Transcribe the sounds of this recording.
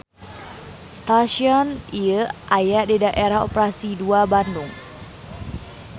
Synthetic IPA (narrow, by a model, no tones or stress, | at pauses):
st̪aʃiɔniəʔajaʔdidaʔeɾaho̰pɾasiduabandʊŋ